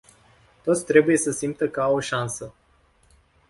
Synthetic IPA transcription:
t̪o̞t̪sʲt̪ɾe̞buje̞səsimp̚t̪əkəawoʃansə

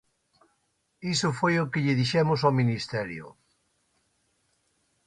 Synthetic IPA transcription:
isʊfojokɪʎɪðiʃɛmʊsaminist̪ɛɾjo̰

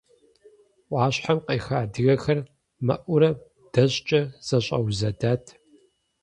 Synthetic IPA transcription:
ʔʷʼɑːɕħamqeːxaːdɨɣɐxɐr | mɐʔʷʊɾɐ | d̥ɐɕt͡ʃʼɐz̥ɐɕʼɐ̰wzɐdaːtʰ

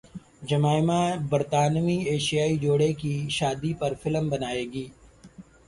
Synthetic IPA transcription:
d͡ʒɐmaːɪmãːbɐɾt̪aːnmieːʃijaːid͡ʒoːɽekiʃaːd̪ipɐɾfɪləmbɐnaːeːɡiː

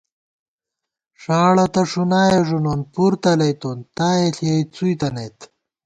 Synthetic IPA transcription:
ʂaːɽɐt̪ɐʂunaːjeʐunonpuɾt̪ɐlɐjt̪ont̪aːjeɬiɐjt͡sujt̪ɐnɐjt̪

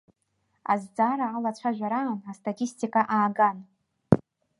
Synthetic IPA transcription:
a̰zd͡zaɾaːlat͡ɕʷʰaʒᶣʷaɾaːnastʰʼatʰʼistʰʼikʼaʔaːɡan

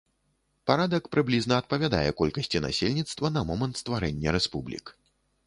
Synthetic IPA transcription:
paɾad̪ɐkpɾɨblʲiznɐɐt̪̚pɐvʲad̪a̰jɛkɔlʲkɐsʲt͡sʲina̰sʲelʲnʲit̪st̪vɐnɐmɔmɐnt̪st̪vaɾɛnʲːɐɾɛspublʲḭk

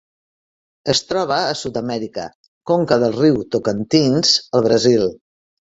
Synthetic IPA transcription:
əst̪ɾɔβ̞əːsut̪əmɛɾikə̰ | koŋkəðəlˠriwt̪ukənt̪inz̥əlˠβɾəzilˠ

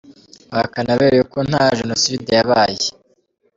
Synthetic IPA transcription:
akanaβeːɾejukon̥haʒenosidejaβaːje

